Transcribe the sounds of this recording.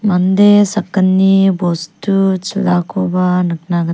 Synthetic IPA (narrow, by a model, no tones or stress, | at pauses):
mand̪esɐkːənːibostut͡ʃilakʰobanɯk̚naɡɐ